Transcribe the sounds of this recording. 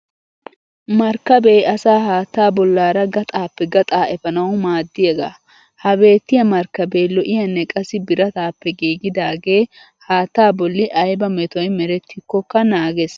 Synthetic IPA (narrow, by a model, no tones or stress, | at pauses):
mɐɾkːɐbe̞ːɐsaːhaːt̪ːaːbɔlːaːɾɐɡɐt̪ʼaːpːɛɡɐt̪ʼaːɛfɐnɐwʊmaːd̪ːɪjeɡa̰ | hɐbe̞ːt̪ːɪjɐmɐɾkɐbeːlɔʔɪjɐnːɛkʼɐsɪbɪɾɐt̪aːpːɛɡiːɡɪd̪aːɡe̞ː | haːt̪ːaːbɔlːɪʔɐjbɐmɛt̪ɔjmɛɾɛt̪ʰːɪkːɔkːɐnaːɡes